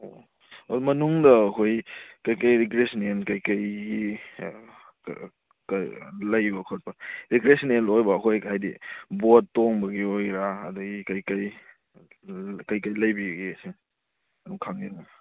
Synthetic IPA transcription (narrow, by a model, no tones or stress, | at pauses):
o | odmɐnuŋdɐːkojkɐjkɐjɾiɡɾesnenkɐjkɐjɡi | klɐjbɐkʰot̚pɐɾiɡɾesnelojbɐːkojkajdḭbottːoŋbɐɡiojɾaɐdɐɡikɐjkɐj | kɐjkɐjlɐjbiɡisi | ɐduŋkʰaŋnina